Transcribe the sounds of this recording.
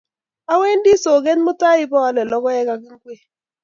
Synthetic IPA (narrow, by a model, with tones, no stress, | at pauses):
a˦we˦n˦di˦so˨ɡe˦nmʊ˦ta˦ɪ˦bɔ˦a˦lɛ˨lɔ˦kɔ˦ɛ˦ka˨kɪ˦ŋ˦ɡwe˦˨